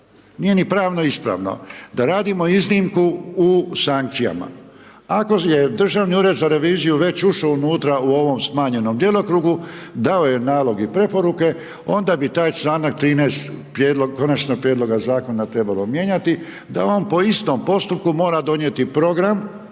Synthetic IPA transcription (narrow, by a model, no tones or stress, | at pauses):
niːje̞nipɾaːʋnoispɾa̰ʋno̰d̪aɾaːd̪imo̞iznimkuː | saŋk̚t̪sija̰ma̰ | ako̞je̞d̪r̩ʒaʋniuːɾe̞d̪zaɾe̞ʋiːzijuʋe̞t͡ɕuʃounuːt̪ɾauo̞ʋo̞msmaːɲe̞nomd̪jelˠo̞kɾuɡud̪ao̞jenaːlo̞ɡipɾe̞po̞ɾuke̞ | o̞nd̪abit̪aːjst̪aːnak̚t̪ɾiːneːst̪pɾjeːd̪loɡ̚ko̞nat͡ʃnoɡ̚pɾjed̪lo̞ɡazaːko̞nat̪ɾe̞balo̞mje̞ɲat̪i | d̪a̰o̞ːnpo̞ist̪o̞mpo̞st̪up̚kumo̞ːɾad̪o̞nje̞t̪ipɾo̞ɡɾam